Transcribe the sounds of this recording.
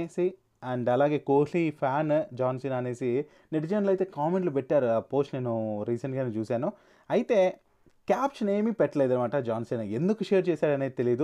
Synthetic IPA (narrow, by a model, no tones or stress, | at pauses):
eːsi | ɐɳɖɐlaːɡe̞ːkoːlipʰaːnd͡ʒaːnsinaːneːsi | neʈd͡ʒɐnɐlɐjt̪eːkaːmeɳʈlubeʈːaːɾpoːsʈneːnuɾiːsɐɳʈɡeːnet͡ʃuːsaːnu | ɐjt̪e | kaːpt͡ʃneːmipeʈːlɐjd̪ɐɾmaːʈɐd͡ʒaːnsinɐend̪ukuʃeːɾt͡ʃeːsaːɽɐneːt̪elijd̪u